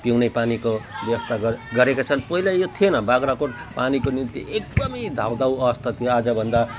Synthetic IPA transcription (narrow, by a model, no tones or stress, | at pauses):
piwnepanikobjʌwʌst̪ʰaɡʌɡʌɾekot͡sʰʌnpʌɦilajot̪ʰienʌbaɡɾakoʈpanikonint̪iʔek̚d̪ʌmʌd̪ʱawd̪awʌʌst̪ʰat̪ʰijoad͡zʌbʱʌnd̪a